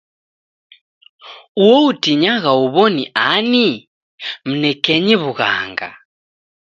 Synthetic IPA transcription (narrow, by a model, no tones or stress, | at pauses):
uwɔutiɲaɣauβɔniʔani | m̩nɛkɛɲiβuɣa̰ŋɡa̰